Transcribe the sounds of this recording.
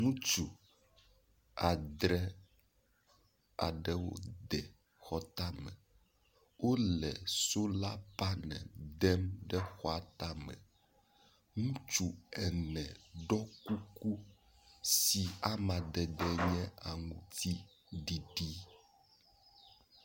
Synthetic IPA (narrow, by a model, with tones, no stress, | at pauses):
ŋũ˦t͡ʃu˨ | a˨d̪ɾɛ˦ | a̰˨ɖɛ˦wo̰˦d̪ɛ˨ | xɔ˦t̪a˦mɛ̰˨ | wo˦lɛ̰˨so˦la˦pa˦nɛ̰̃˨d̪ɛ˦mɖɛ˦xɔ˦a˨t̪a˦mɛ̰˨ | ŋũ˦t͡ʃu˨ɛ˨nɛ̃˨ɖɔ˦ku˦ku˦ | si˨a˦mã˨d̪ɛ˨d̪ɛ˦ɲɛ̃˦a˨ŋũ˨t̪ʰi˦ | ɖi˨ɖi˦